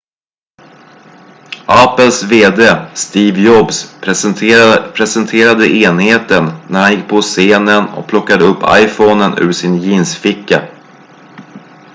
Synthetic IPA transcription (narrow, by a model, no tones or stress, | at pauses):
ʔapːəlsveːd̪eːst̪iːvjɔbs | pʰɾɛsɛnt̪ʰeːɾad̪əʔeːnheːt̪ənːæɾhanjɪk̚ːpʰɔseːnənɔ̰k̚pʰlɔkːad̪əɵpːa̰jfɔnənʉ̟̰ːʂɪnjiːnsfɪkːa